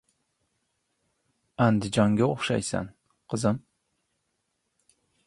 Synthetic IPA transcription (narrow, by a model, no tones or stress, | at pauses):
ænd̪ɪd͡ʒɑŋɡʲaoχʃa̰jsæ̰n | qʰəzɨm